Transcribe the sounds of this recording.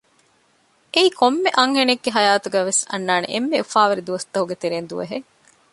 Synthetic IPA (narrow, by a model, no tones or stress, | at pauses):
eiːkʰomːeʔɐŋɦeneɡːeɦɐjaːt̪uɡæːʋesɐ̰nːaːnḛʔemːeufaːʋɐɾid̪uʋɐst̪ɐɦuɡet̪eɾeːnd̪uʋɐ̰ɦe